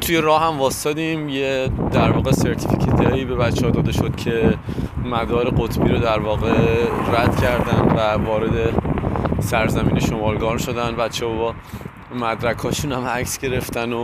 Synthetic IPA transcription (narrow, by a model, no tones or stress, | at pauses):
t̪ʰujeɾɒːhæmvɒːst̪ɒːd̪imjed̪æɾvɒːɣese̞ɾt̪ʰificʰet̪ʰejiːbe̞bæt̪t͡ʃʰːeɒd̪ɒːd̪e̞ʃod̪̥cʰe̞ | mæd̪ɒːɾe̞ɢot̪ʰbiːɾod̪æɾvɒːɣeɾæd̪̥cʰæɾd̪ænd̪vævɒːɾed̪e | sæɾzæmiːneʃo̞mɒːlɡɒːɾmʃo̞d̪ænbæt̪t͡ʃʰːehɒbɒː | mæd̪ɾækʰɒːʃuːnæmæcsɡe̞ɾe̞ft̪æno